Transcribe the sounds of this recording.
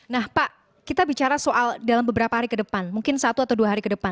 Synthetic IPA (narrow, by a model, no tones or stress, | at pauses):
nahpaʔ | kit̪abit͡ʃaɾasoʔaldalambəbəɾapaɦaɾikədəpanmuŋkɪnsat̪uat̪awduaɦaɾikədəpan